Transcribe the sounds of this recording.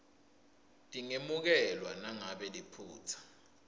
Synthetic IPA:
tʼiŋemuk̬ɛlwanaŋaɓɛlipʰuːt͡sʰḁ

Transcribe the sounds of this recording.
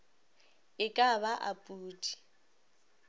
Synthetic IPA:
ɪkʼaβaʔapʼuːtʼi̥

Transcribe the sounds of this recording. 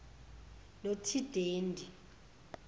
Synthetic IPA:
notʰid̥ʱeːndʱi

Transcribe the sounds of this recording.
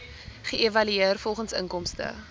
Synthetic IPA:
χəevɐlyeərfɔlˠχənsə̰ŋkɔmstə̰

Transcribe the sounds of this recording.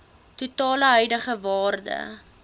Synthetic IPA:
tutɑːləɦœjdəχəvɑːrdə̰

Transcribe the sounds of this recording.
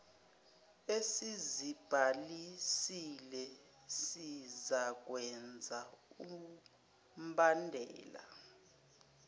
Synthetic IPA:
esizib̥ʱalisilɛ | sizak̬ʼwɛnd͡zʱau | m̩bandʱɛ̰ːla̰

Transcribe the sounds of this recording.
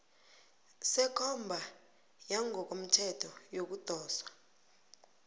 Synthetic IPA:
sɛkʰɔmbʱa | jaŋɔk̬om̩tʰɛtʰɔjok̬ud̥ʱɔːswḁ

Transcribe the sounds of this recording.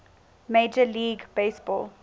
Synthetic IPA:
meːd͡ʒəliːɡb̥eːsb̥ɔ̰ːl

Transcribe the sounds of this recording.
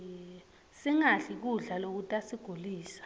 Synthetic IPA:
siŋaɬik̬uɮalok̬utʼasiɡ̥ʱoliːsḁ

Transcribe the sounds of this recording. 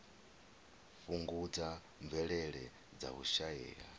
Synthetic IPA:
fuŋɡud͡za | ɱvɛɺɛɺɛ | d͡za̰uʃaɛ̰ːɺa̰

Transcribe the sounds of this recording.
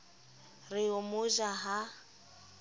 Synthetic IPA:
rɪʊmʊʒaɦa

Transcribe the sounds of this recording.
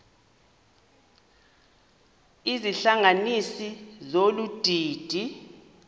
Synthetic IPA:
iziɬaŋanisizolud̥ʱiːd̥ʱi

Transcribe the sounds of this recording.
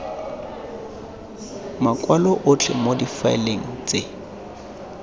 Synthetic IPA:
makʼwalɔʔʊt͡ɬʰɛmodifaɪ̰leŋ̩t͡sʼe

